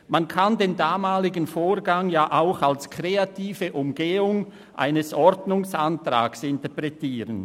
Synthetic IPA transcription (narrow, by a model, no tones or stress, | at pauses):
mankʰandeːndaːmaːlɪɡənfoːrɡaŋjaːʔaʊxalskʁ̥eatiːvəʔʊmɡeːʊŋ | ʔa̰ɪnəsɔɾdnʊŋsantra̰ːksɪntəɐpʁɛtiːʁən